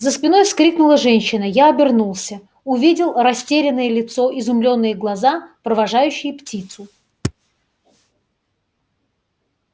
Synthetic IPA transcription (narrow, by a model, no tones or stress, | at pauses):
zəspʲɪno̞jskɾʲiknʊlˠəʐɛnʲɕːɪnəjaɐbʲɪrnulˠsʲə | ʊvʲidʲɪlˠrɐsʲtʲeɾʲɪnːɨjəlʲɪt̪so̞ʔɪzʊmlʲo̞nːɨjəɡlˠɐzapɾəvɐʐajʉɕːɪjptʲit̪sʊ